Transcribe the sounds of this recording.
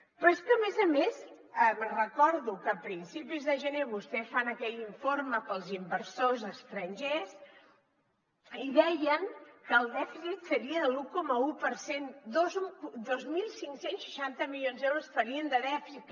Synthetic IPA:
pɾɔeskəmezəmes | əmərəkɔɾðukəpɾinsipizðəʒəneβust̪ɛfanəkɛʎiɱforməpəlˠzimbəɾsozəst̪ɾənʲʒes | iðɛjəŋkəːlˠd̪ɛfisit̪səɾiəðəlukɔməupəɾsend̪ozd̪ozmilˠsiŋsensʃə̥ʃant̪əmiljonzɛwɾosfəɾiənd̪əðɛfɾik

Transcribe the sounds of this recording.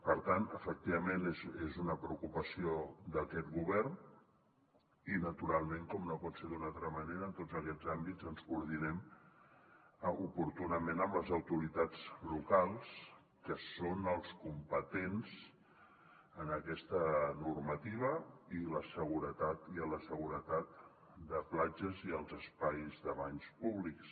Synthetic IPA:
pəɾt̪anəfək̚t̪iβəmenezezunəpɾəukupəsiod̪əkɛt̪ɣuβɛrn | inət̪uɾalˠmeŋkɔmnopɔtseɾðunalˠt̪ɾəməneɾəːnt̪ozəkɛd͡zambizənskuuɾðinɛm | upuɾt̪unəmenəmləzəwt̪uɾit̪ad͡zlukalˠs | kəsonəlˠskumpət̪enz̥ | ənəkɛst̪ənurmət̪iβ̞əiləsəɣ̞uɾət̪at̪iələsəɣuɾət̪at̪̚ | d̪əplad͡ʒəziəlˠzəspajzðəβaɲspuβliks

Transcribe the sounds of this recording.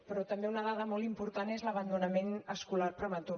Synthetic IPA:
pɾɔt̪əmbeunəð̞aðəmɔlˠimpuɾt̪anezləβənd̪unəmenəskularpɾəmət̪uɾ

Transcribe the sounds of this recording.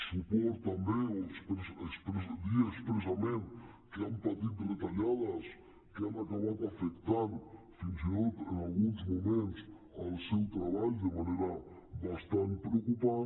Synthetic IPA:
supoɾt̪ɐmbespesspɾezd̪iɐspɾezɐmẽn | keampaðit̪ðet̪aʎaðɐs | keanakaβaðafekt̪aɾ | finzit̪ot̪ẽŋalɣũnzmumẽnt̪s | awsewt̪ɾaβaʎud̪emanejɾɐ | βast̪ãnt̪̚pɾeokupa

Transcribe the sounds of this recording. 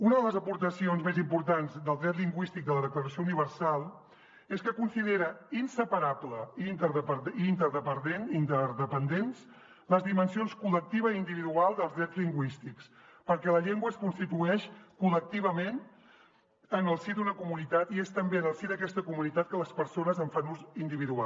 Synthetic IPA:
unəðələzəpuɾt̪əsionzmezimpuɾt̪anzd̪əlˠd̪ɾɛt̪liŋɡwist̪ik̚d̪ələðəkləɾəsiouniβ̞əɾsalˠ | eskəkunsiðeɾəinsəpəɾabləint̪əɾðəpəint̪əɾðəpənd̪enint̪əɾðəpənd̪ens | ləzðimənsionskulək̚t̪iβəiind̪iβiðualˠzdðəlˠzðɾɛtzliŋɡwist̪iks | pəɾkɛləʎeŋɡwəskunst̪it̪uɛʃkulək̚t̪iβ̞əmen | ənəlˠsid̪unəkumunit̪at̪iest̪əmbenəlˠsiðəkɛst̪əkumunit̪at̪̚kələspəɾsonəzəɱfanuzind̪iβiðua

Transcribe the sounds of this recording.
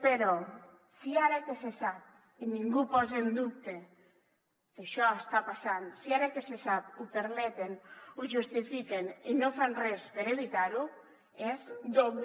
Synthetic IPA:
peɾɔ | siaɾakesesap̚ | iniŋɡupɔzend̪uk̚t̪e | keʃɔest̪apasansiaɾakesesap̚upeɾmet̪enuʒust̪ifikeninofanrɛspeɾeβit̪aɾu | ezd̪oβ

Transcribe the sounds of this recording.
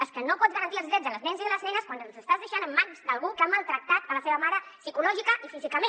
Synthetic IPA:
əskənopɔd͡zɣəɾənt̪iəlˠzðɾɛzələznɛnziðələznɛnəskwanənzəst̪azðəʃanəmːanzd̪əlˠɣukamalˠt̪ɾək̚t̪at̪̚ələseβəmaɾəsikulɔʒikəʔifizikəmen

